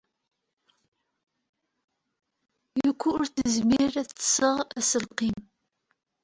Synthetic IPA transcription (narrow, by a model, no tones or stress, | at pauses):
jukʷːʊɾθəzmiɾæθsəʁæsəlqim